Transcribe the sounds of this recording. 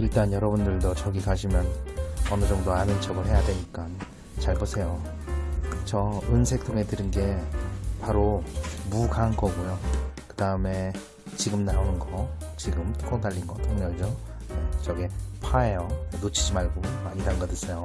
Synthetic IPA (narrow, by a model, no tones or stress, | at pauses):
iɭt͈anjʌɾʌbundɯɭdot͡ɕʌɡikaɕʰimjʌnʌnɯd͡ʑʌŋdoanɯnt͡ɕ͈ʌɡɯɭɦe̞jadwe̞ɲik͈a | t͡ɕaɭbosʰe̞jo | t͡ɕʌɯnsʰe̞k̚tʰoŋe̞dɯɾinɡe̞paɾomuɡanɡʌɡujokɯdaɯme̞ | t͡ɕiɡɯmnaonɯnɡʌ | t͡ɕiɡɯmtʰɯ̥k͈ʰʌtaʎːinɡʌtʰoŋɲʌɭd͡ʑo | et͡ɕʌɡepʰaejoenot͡ɕʰid͡ʑimaɭɡomaɲidanɡʌdɯsʰejo